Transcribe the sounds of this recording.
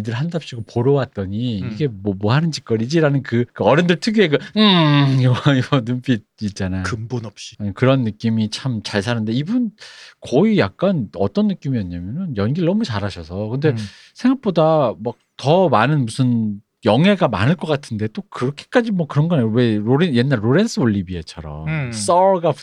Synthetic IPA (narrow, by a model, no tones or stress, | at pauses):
idɯɭɦandap̚ɕ͈iɡopoɾʌwat̚t͈ʌɲiiɡe̞mwʌmwʌɦanɯnd͡ʑi̥k͈ʌɾid͡ʑiɾanɯnkɯkɯʌɾendɯɭtʰɯɡjueɡɯɯ | iwʌnump͈ʰi | it̚t͡ɕ͈anajoɯmbonʌpɕ͈i̥ekɯɾʌnːɯk͈imit͡ɕʰamt͡ɕaɭs̬ʰanɯnde̞ibunkʌijak̚k͈anʌ̰t͈ʌnːɯk͈imijʌɲːamjʌnɯnjʌnɡiɾɯɭnʌmut͡ɕaɾaɕʰʌsʰʌkɯnde̞ | sʰe̞ŋɡak̚p͈odamak̚tʌmanɯnmusʰɯn | jʌŋɦe̞ɡama̰nɯɭk͈ʌk͈atʰɯnde̞t͈okɯɾʌkʰe̥k͈ad͡ʑimwʌkɯɾʌnɡʌnajowe̞ɾoɾenje̞nːaɭɾoɾe̞nsʰɯoʎːibiet͡ɕʰʌɾʌms͈ʌɭɡa